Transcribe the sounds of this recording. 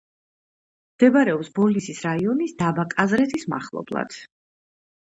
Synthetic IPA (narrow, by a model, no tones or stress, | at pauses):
md̪̥ɛbaɾɛɔpsbɔlisisɾaiɔnisd̪abakʼazɾɛt̪ʰisma̰χlˠɔ̰blˠa̰d̪̥